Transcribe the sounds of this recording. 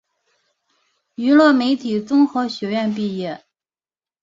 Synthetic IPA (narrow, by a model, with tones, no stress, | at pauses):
y˧˥lwɤ˥˩me˧˥ɪt̪ʰi˨˩t͡sʊ˥ŋxɤ˧˥ɕɥɛ˧˥ɥɛ˥˧np̬i˥˧jɛ˥˩